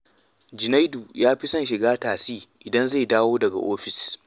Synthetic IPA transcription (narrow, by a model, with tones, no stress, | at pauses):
d͡ʒɪ˨na˦jdu˨jaː˦ɸi˦sɐ˦˨nʃɪ˨ɡaː˦taː˨siː˦ʔɪ˨dɐ˦nza˦˨jdaː˦woː˦dɐ˨ɡa̰˨ʔoː˦ɸɪ˨s